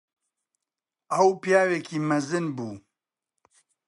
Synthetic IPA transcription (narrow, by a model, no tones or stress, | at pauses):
ɐwpijaːweːkʰiːmɐzɨnbuː